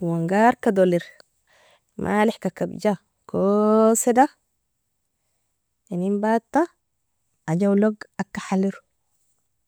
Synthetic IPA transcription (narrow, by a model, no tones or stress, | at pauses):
waŋɡaɾkad̪oliɾ | mʔa̰ːleħkakabd͡ʒa | kʰoseda | enimbat̪ːa | ad͡ʒawloɡakːaħaliɾu